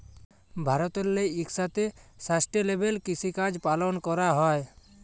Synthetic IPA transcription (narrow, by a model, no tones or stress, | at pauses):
bʱaɾɔt̪ɔlleiksat̪esasʈelebelkit͡ʃʰikad͡ʒpalɔnkɔɾaɦɔe